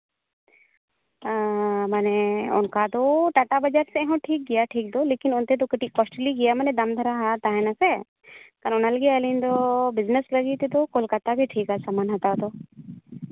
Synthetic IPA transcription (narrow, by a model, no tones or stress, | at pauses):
məneʊ̰nkat̪oʈaʈabəd͡ʒaɾseɛɦɔ̃ʈʰiːk̚ɡijaʈʰiːk̚d̪olekinʊnt̪et̪̬okəʈikɔsʈəliɡijaməned̪ɐmd̪ʱɐɾaɦat̪aɦɛ̃nãse | kanʊnaləɡiəlind̪obɪznəsləɡit̪et̪okolkat̪abʱiʈʰiːkasamanɦɐt̪ad̪o